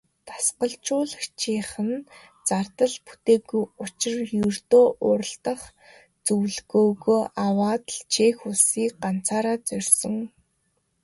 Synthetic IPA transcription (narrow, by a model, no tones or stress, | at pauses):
t̪ʰḁsqə̆ɮt͡ɕʊːɮə̆xt͡ɕʰiːχə̆n | t͡sart̪ə̆ɮput̪eːɣujʊt͡ɕɪ̆rjɵrt̪oːʔʊːɾə̆ɬt̪ə̆χ | t͡sɵwɮɣoːɣoːʔawaːt̪ɮt͡ɕʰeːxuɮsiːk̚ɢan̥t͡sʰaːɾaːt͡sœrʲsɞ̆ŋ